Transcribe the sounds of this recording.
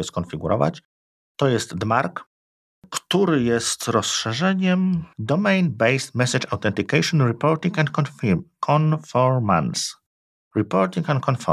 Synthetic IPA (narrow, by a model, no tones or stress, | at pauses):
ɛskɔ̃nfʲiɡuɾɔ̰va̰t͡ɕ | t̪ɔjɛst̪d̪maɾk | kt̪uɾɘjɛst̪ɾɔsʂɛʐɛɲɛmd̪ɔmɛjnbɛjst̪mɛsʲat͡ʂawt̪ɛnt̪ikajʂɔ̃nɾipɔɾt̪ʲĩŋkɛ̃nt̪kɔnfikʰɔnfɔɾma̰ns | ɾipɔɾt̪ʲĩŋkɛnt̪kʰɔnfɔ̰